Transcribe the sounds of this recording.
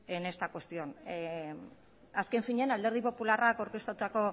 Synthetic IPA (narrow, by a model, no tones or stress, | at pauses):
ene̞st̪akwe̞st̪io̞n | aske̞nfiɲe̞nald̪e̞ɾð̞ipo̞pularakawɾke̞st̪at̪ut̪ako̞